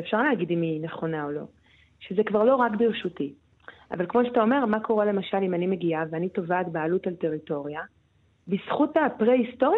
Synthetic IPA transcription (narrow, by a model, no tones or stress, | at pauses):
fʃaʁleːɡidimineχo̞naolo̞̰ | ʃezekvaʁlo̞ʁakbiʁʃuti | ʔa̰valkmo̞ʃeatao̞me̞ʁmako̞ʁele̞maʃalimanime̞ɡiaveanito̞vat̪baːlutalte̞ʁito̞ʁija | bisχutapʁehisto̞ʁ